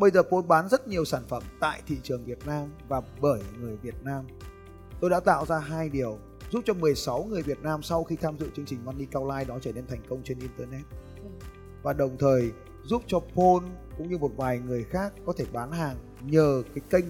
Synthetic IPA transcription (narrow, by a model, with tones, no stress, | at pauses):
ɓə˧jzəː˨˩po˧nɓaː˨˦nzə˦˥t̚ɲi˨˩əwsaː˧˩nfə˧˩mt̪a̰ː˧˨jt̪ʰḭ˧˨t͡ɕɨ˨˩əŋvi˨˩ət̚naː˧mvaː˨˩ɓəː˧˩jŋɨ˨˩əjvi˨˩ət̚naː˧m | t̪o˧jɗa̰ː˧˥t̪a̰ː˧˨wzaː˧ɦaː˧jɗi˨˩əw | zu˦˥p̚t͡ɕɔ˧mɨ˨˩əjsa˨˦wŋɨ˨˩əjvi˨˩ət̚naː˧msa˧wxi˧t̪ʰaː˧mzɨ̰˧˨t͡ɕɨ˧əŋt͡ɕï˨˩ŋ̟maː˧nːi˧kaː˧wlaː˧jɗɔ˨˦t͡ɕəː˧˩ne˧nt̪ʰa˨˩jŋ̟kə˧wŋ͡mt͡ɕe˧nʔi˧nt̪əː˧nɛ˦˥t̚ | vaː˨˩ɗə˨˩wŋ͡mt̪ʰəː˨˩j | zu˦˥p̚t͡ɕɔ˧pʰo˧nkʊ̰˧˥ŋ͡mɲɨ˧mo˨˩t̚vaː˨˩jŋɨ˨˩əjxaː˦˥k̚ːɔ˨˦t̪ʰe˧˩ɓaː˨˦nɦaː˨˩ŋ | ɲəː˨˩kaː˨˦jkə˧jŋ̟